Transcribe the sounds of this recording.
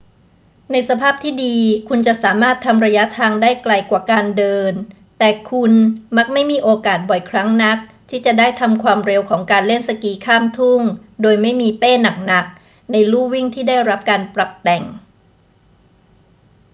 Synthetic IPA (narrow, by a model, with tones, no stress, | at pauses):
na˧jsa˧pʰaː˥˩p̚t̪ʰiː˥˩diː˧kʰu˧nt͡ɕa˨˩ʔsaː˩˦maː˥˩t̪ʰːa˧mɾa˧ja˦˥t̪ʰaː˧ŋdaː˥˩jkla˧jkwaː˨˩kaː˧ndɤː˧n | t̪ɛː˨˩kʰu˧nma˦˥k̚ma˥˩jmiː˧ʔoː˧kaː˨˩t̪̚bɔ˨˩jkʰɾa˦˥ŋna˦˥k̚t̪ʰiː˥˩t͡ɕa˨˩daː˥˩jt̪ʰa˧mkʰwaː˧mɾe˧wkʰɔː˩˦ŋkaː˧nle˥˩nsa˧kiː˧kʰaː˥˩mt̪ʰu˥˩ŋ | doː˧jma˥˩jmiː˧peː˥˩na˨˩k̚na˨˩k̚ | na˧jluː˥˩wi˥˩ŋt̪ʰiː˥˩daː˥˩jɾa˦˥p̚kaː˧npɾa˨˩p̚t̪ɛ˨˩ŋ